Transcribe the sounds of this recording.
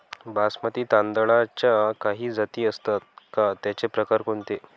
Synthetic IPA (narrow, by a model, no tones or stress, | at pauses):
basmat̪iːt̪and̪əɭat͡ɕjakaɦiːd͡zat̪iːəst̪at̪̚kat̪jat͡ɕepɾəkaɾkoɳt̪e